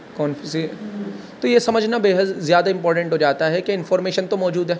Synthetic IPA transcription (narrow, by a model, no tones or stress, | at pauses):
kɔːnfisi | t̪ojesɐməd͡ʒʱnabeːɦəd̪zjaːd̪aɪ̃mpɔːɾʈə̃ɳʈɦod͡ʒaːt̪aɦɛkeɪ̃nfɔːɾmeːʃənt̪omɔːd͡ʒuːd̪ɦɛː